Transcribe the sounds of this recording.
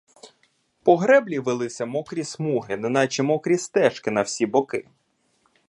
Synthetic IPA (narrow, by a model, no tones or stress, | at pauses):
pɔɦɾɛblʲiʋɪlˠɪsʲɐmɔkɾʲismuɦɪnɪnɑt͡ʃimɔkɾʲist̪ɛʃkɪnɐwsʲibɔkɪ